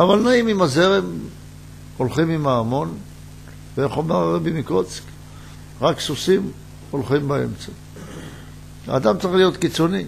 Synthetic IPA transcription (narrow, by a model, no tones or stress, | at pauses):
avalnaimimazeʁem | o̞lχimimaːmo̞n | veeχomaʁʁebimiko̞t͡sk | ʁaksusim | o̞lχimbae̞̰mt͡sa | a̰ːd̪amt͡saʁiχlijo̞t̪kit͡so̞ni